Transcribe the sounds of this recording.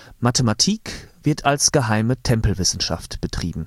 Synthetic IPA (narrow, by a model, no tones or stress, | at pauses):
matematʰiːkv̥ɪɐtʰalsɡ̥əɦaɪmətʰɛmpl̩vɪsn̩ʃa̰ftb̥ətʁ̥ḭːbm̩